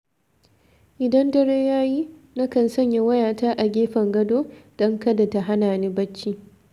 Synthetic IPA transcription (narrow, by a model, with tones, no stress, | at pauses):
ʔɪ˨dɐ˦ndɐ˦ɽeː˦jaː˦ji˦ | na˦kɐ˨nsɐ˦˨ɲja˦wɐ˦jaː˨taː˦ʔa˨ɡʲeː˦ɸɐ˨ŋɡɐ˦doː˦d̥ɐ˦ŋkɐ˦da˨ta˨ɦa˦naː˨niː˦bɐ˦t͡ʃːiː˦